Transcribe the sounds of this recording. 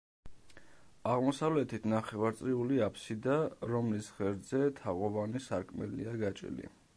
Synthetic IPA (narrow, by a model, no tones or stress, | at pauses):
aʁmɔsavlɛt̪ʰit̪ʰnaχɛvaɾt̪sʼɾiuliapʰsid̪aɾɔmlisʁɛɾd̪zɛt̪ʰaʁɔvanisaɾkʰmɛ̰lḭaɡat͡ʃʼḭlḭ